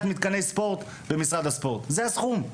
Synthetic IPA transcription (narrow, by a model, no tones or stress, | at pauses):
t̪mit̪kanesːpo̞ʁt̪ | be̞misʁad̪aspo̞ʁt̪zeasχum